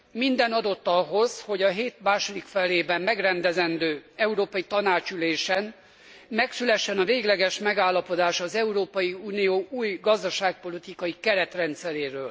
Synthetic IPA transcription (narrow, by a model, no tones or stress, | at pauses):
mind̪ɛnɒd̪o̞t̪ːɒɦo̞zho̞ɟɒɦeːt̪maːʃod̪ikfɛleːbɛmːɛɡrɛnd̪ɛzɛnd̪øːɛuɾoːpɒjit̪ɒnaːt͡ʃyleːʃɛn | mɛksylɛʃːɛnɒveːɡlɛɡɛʃmɛɡaːlːɒpo̞d̪aːʃɒzɛuɾoːpɒjiuːnijoːʔuːjɡɒzd̪ɒʃaːk̚po̞lit̪ikɒjikɛɾɛt̪rɛnt̪sɛɾeːɾøːl